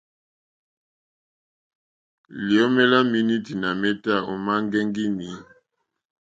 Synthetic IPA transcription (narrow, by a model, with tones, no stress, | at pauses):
li˨o˦mɛ˦la˦mi˦ni˦ti˨na˨mɛ˦ta˦˨o˨ma˦ŋɡɛ˦ŋɡi˦ni˨˦